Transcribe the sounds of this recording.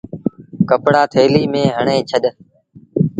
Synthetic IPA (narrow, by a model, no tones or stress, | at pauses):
kəpɽaːt̪ʰeːliːmẽːɦəɳẽːt͡ʃʰəɗ